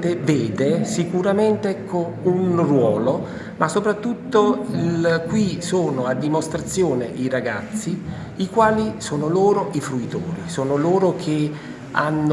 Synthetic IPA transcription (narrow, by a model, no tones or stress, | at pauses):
t̪eveːd̪esikuɾament̪eɛkʰːo | unrwɔːlo | mʔasːopɾat̪ːut̪ːoilkwisoːnoad̪ːimost̪ɾat̪sːjoːneʔiraɡat̪sːi | ikwaːlisoːnoloːɾoʔifɾuit̪o̰ːɾisoːnoloːɾokʰe | a̰nː